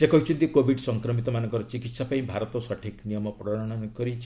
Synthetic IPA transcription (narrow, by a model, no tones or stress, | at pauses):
sekɔɦit͡ʃʰunt̪ikobʱiɖsɔŋkɾɔmit̪ɔmanɔ̃ŋkɔɾɔt͡ʃikit̪sɔpaĩbʱaɾɔt̪ɔsɔʈʰiknijɔmɔpɾɔɽɔɽ̃ɔnkɔɾit͡ʃʰ